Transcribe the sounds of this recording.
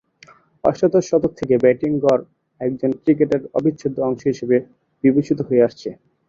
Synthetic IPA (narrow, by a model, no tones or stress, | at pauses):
ɔ̰ʃʈot̪oʃɔt̪ok̚t̪ʰekebɛʈiŋɡɔɾ | ɛk̚d͡ʑonkɾikeʈeɾɔ̰bʱitːɕʰod̪ːoɔŋʃoɦiʃebe | b̥ibet͡ɕit̪oɦoeaʃt͡ɕʰe